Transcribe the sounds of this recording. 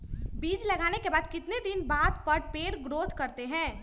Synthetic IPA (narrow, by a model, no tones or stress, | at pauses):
biːd͡ʒlɐɡaːnekebaːd̪kɪt̪ned̪ɪnbaːd̪pəɾpeːɽɡɾoːt̪kɐɾt̪eɦɛ̃ː